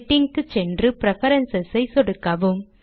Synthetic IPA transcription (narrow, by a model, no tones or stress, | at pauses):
ʈːɪŋkɯt͡ʃɛndrɯpɪɾɛfɐɾɐnsɐsɐɪsɔɽɯkːɐʋɯm